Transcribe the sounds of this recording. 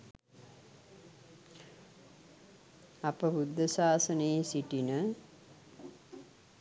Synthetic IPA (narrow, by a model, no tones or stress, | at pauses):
apəbud̪ʱːəsaːsənejsiʈinə